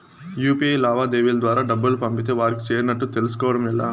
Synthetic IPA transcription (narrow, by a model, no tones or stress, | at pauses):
juːpiejlaːʋaːd̪eːʋilɐd̪ʋaːɾaːɖɐbːɐlupɐmpit̪̬e̞ːʋaːɾiki̥t͡ʃe̞ːɾinɐʈːut̪elusu̥kɔːʋɐɽɐmɛlːa̰ː